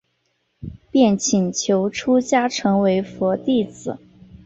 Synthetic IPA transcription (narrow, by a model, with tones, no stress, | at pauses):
pjɛ˥˩nt͡ɕʰi˨˩nt͡ɕʰjo˧˥ʊʈ͡ʂʰu˥t͡ɕja˥ʈ͡ʂʰɤ˧˥ŋwe˧˥ɪfwɔ˧˥t̪i˥˩t͡sɹ̩˨˩˦